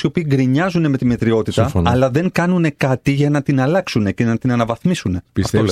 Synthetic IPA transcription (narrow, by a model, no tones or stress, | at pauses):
io̞piːɡɾiɲɐzune̞me̞t̪imet̪ɾio̞t̪isɐfonɐlɐðe̞ŋkɐnune̞kɐt̪iʝɐnɐt̪inɐlɐksune̞ce̞nɐt̪inɐnɐvɐθmisune̞pisɐfo